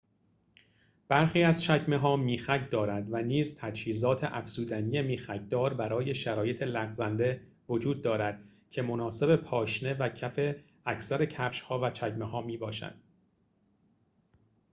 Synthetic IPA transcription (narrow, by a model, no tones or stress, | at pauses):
b̥æɾχiːæzt͡ʃʰæcme̞ɦɒːmiːxæcʰd̪ɒːɾænd̪væniːzt̪ʰæd͡ʒhiːzɒːt̪ʰeʔæfsuːd̪ænije̞miːxæcʰd̪ɒːɾbæɾɒːje̞ʃæɾɒːje̞t̪ʰe̞læɣzænd̪e̞ | vo̞d͡ʒuːd̪̚ːɒːɾæd̪̥ | cʰe̞mo̞nɒːse̞be̞pʰɒːʃne̞væcʰæfe̞ | æcʰsæɾe̞cʰæfʃhɒːvæt͡ʃʰæcme̞ɦɒːmiːbɒːʃæ̰d̪̥